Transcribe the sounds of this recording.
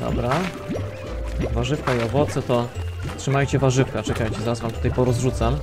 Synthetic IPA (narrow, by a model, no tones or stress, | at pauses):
d̪ɔ̰bɾa | vaʐɘfkaiɔvɔt̪sɛt̪ɔtʂɘmajt͡ɕɛvaʐɘfkat͡ʂɛkajt͡ɕɛzaɾazvamt̪ut̪ajpɔɾɔzʐut̪sam